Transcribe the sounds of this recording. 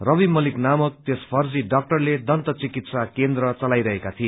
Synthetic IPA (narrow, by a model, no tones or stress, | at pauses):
rʌbimʌliknamʌk̚t̪espʰʌrd͡ziɖak̚ʈʌrled̪ʌnt̪ʌt͡sikit̪sakend̪ɾʌt͡sʌlajɾʌɦekat̪ʰie